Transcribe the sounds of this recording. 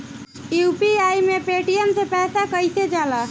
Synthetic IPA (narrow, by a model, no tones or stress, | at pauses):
jupiajmepeʈiemsepɛːsakəjsed͡ʒala